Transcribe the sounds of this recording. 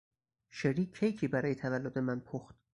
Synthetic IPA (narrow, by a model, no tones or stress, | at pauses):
ʃeɾiːkʰːejcʰiːbæɾɒːjet̪ʰævælːod̪e̞mænpʰoxt̪